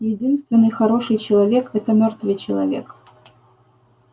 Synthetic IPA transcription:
jɪdʲinst̪vʲɪnːɨjxɐɾo̞ʂɨjt͡ɕɪlˠɐvʲe̞kɛt̪əmʲort̪vɨjt͡ɕɪlˠɐ̰vʲe̞k

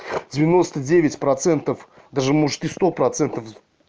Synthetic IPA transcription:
dʲɪvʲɪno̞st̪ədʲevʲɪtʲpɾɐt̪sɛnt̪əf | d̪aʐɨmoʐɨt̪ɨst̪opɾɐt̪sɛnt̪əf

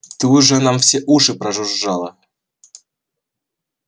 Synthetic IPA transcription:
t̪ɨʊʐɛnamfsʲeʔuʂɨpɾɐʐʊʐːalˠə

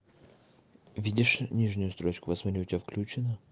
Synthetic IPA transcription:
vʲidʲɪʂnʲiʐnʲʊjʊst̪ɾot͡ɕkʊpɐzmɐɾʲiʊtʲɪbʲafklʲut͡ɕɪnə

